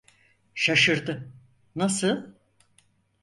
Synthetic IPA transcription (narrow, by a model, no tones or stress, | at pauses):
ʃaʃɯɾd̪ɯ | nasɯl